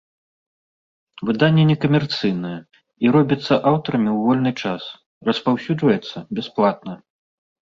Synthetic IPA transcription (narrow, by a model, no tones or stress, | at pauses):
vɨd̪anʲːɛnʲɛkɐmʲɛrt̪sɨjnɐjɐ | iɾɔbʲit̪sːɐʔawt̪ɐɾɐmʲiwvɔlʲnɨt͡ʂas | rɐspawsʲud͡ʐvɐjɛt̪sːɐbʲɛsplˠat̪̚nɐ